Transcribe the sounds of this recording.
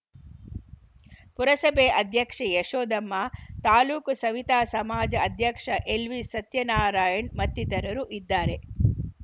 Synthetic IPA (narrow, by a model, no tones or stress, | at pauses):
puɾɐsɐbeːʔɐd̪ʱjɐkʂɐjeʂoːd̪ɐmːaːt̪aːluːksɐʋit̪aːsɐmaːd͡ʒɐɐd̪ʱjɐkʂɐʔelʋisɐt̪jɐnaːɾaːjɐɳmɐt̪ːit̪ɐɾɐɾuʔid̪ːaːɾe̞